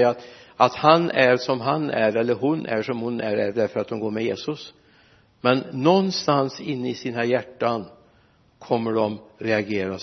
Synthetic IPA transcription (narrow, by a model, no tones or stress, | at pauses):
at̪ | at̪hanæɾʂɔmɦanʔæɾɛlːəɾɦʊnʔæ̰ʂɔmhʊnæ̰ɾæɖ̪æɾfœɾat̪̚d̪ɔmɡoːmɛjeːsɵs | mɛnːɔnːst̪ansɪnːəɪsiːnajæʈːan | kʰɔmːəɖɔmɾɛaɡeːɾa